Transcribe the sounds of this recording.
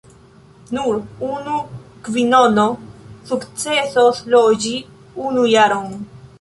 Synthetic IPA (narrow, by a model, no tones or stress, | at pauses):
nuɾunukvinonosukt͡sesoslod͡ʒi | unujaɾon